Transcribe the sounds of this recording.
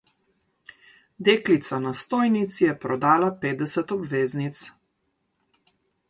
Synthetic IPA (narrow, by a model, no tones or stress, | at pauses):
d̪eːklit̪sanast̪oːjnit̪sjɛpɾɔd̪aːlapeːd̪ɛsɛt̪ɔbʋeːznit̪s